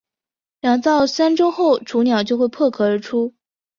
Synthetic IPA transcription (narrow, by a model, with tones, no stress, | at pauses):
ljɑ˨˩ŋt̪ɑ˥˩ʊsa˥nʈ͡ʂo˥ʊxo˥˩ʊʈ͡ʂʰu˧˥njɑ˨˩ʊt͡ɕjo˥˧ʊxwe˥˧ɪpʰɤ˥˩kʰɤ˧˥ə˞˧˥ʈ͡ʂʰu˥